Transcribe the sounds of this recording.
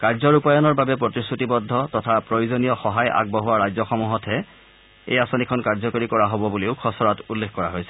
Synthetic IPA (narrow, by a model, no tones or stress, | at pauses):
kaɹzɔɹupajɔnɔɹbabɛpɹɔtisutibɔdʱːɔtɔtʰapɹojuzɔnijɔxɔɦaja̰ɡ̚bɔɦuwaɹajzɔxɔmuɦɔtʰɦɛ | ḛjasɔnikʰɔnkaɹzɔkɔɹikɔɹaɦobɔbuleʊkʰɔsɔɹatulːekʰkɔɹa̰ɦojsɛ̥